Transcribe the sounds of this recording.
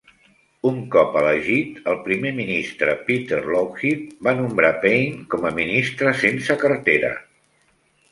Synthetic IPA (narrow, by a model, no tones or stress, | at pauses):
uŋkɔpələʒit̪əlˠpɾimeminist̪ɾəpit̪əɾloxit̪̚banumbɾapejnkɔməminist̪ɾəsensəkərt̪eɾə̰